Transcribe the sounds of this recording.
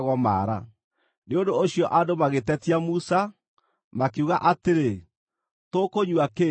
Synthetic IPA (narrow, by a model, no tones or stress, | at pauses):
ɣɔma̰ːɾa̰ | neondooɕiɔʔadomaɣetɛtiamusa | makeuɣaʔateɾe | tokoɲwake